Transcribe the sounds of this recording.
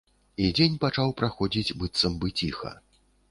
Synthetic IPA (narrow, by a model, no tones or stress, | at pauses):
id͡zʲenʲpat͡ʂawpɾaxɔd͡zʲid͡zʲbɨt̪sɐmbɨt͡sʲixɐ̰